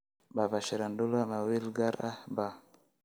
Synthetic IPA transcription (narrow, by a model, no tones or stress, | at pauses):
babaʃeɾandulamawilɡaɾa̰ba